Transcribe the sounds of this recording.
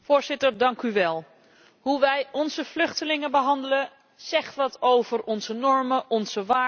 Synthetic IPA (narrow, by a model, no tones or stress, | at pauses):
fʊːɹzɪtəɹdɑŋkyʋɛlˠ | ɦuʋɛjɔnzəv̥lɵχtəlɪŋəbəɦɑndələ | z̥ɛχtʋɑtowvərɔnzənɔɹməʔɔnz̥əʋaː